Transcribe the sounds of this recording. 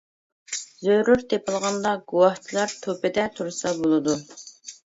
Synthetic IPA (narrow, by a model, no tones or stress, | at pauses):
zøjɾyɾt̪ʰepʰɨlˠʁɑnd̪ɑɡuwɑht͡ʃʰilˠɑɾt̪ʰopɪd̪ɛt̪ʰuɾɨsɑbolˠɨd̪u